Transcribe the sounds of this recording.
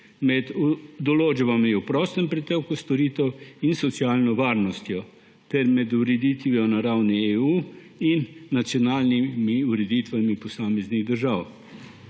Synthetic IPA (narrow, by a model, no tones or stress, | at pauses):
mɛd̪ud̪ɔloːd͡ʒbamiupɾɔst̪ɛmpɾɛt̪ewkust̪ɔɾiːt̪ɛwinsɔt̪sjaːlnɔʋaːɾnɔst̪jɔ | t̪ɛɾmɛd̪uɾɛd̪iːt̪ʋijɔnaɾawnieuː | inːat̪sjɔnaːlnimiuɾɛd̪it̪ʋamipɔsaːmɛzniɣd̪əɾʒaːw